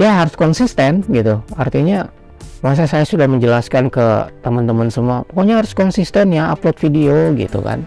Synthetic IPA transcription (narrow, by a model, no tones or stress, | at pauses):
jaɦaɾʊskɔnsist̪ənɡit̪uart̪iɲa | mas̬asajasudahməɲd͡ʒəlaskankə̰t̪əmənt̪əmənsəmuapokoɲaɦaɾʊskɔnsist̪ənjaa̰plot̪̚fidioɡḭt̪ṵka̰n